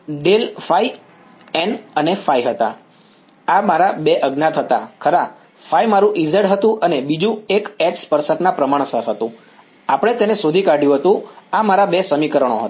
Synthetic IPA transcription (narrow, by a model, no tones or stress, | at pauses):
ɖelfai | ɛnənefajɦət̪a̰ | amaɾabeʔəɡnat̪ʰət̪akʰəɾa | faimaɾũʔizəɽɦət̪ũʔənebid͡ʒũekɛʈspəɾsəknãpɾəmaɽ̃səɦət̪ũ | apəɽ̃et̪enesod̪ʱikaɖjũɦət̪ũamaɾabesəmikəɾəɳ̃oɦə̰t̪